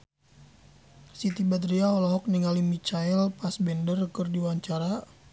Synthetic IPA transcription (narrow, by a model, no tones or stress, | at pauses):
sit̪ibat̪ɾiaɔlɔɦɔk̚niŋalimit͡ʃaɛlpasbɛndərkɨrdiwaɲt͡ʃaɾa